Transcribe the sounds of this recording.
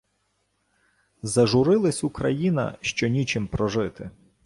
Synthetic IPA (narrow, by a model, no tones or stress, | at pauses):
zɐʒʊɾɪlˠɐsʲukɾɐjinɐ̰ʃt͡ʃɔnʲit͡ʃɪmpɾɔʒɪt̪ɪ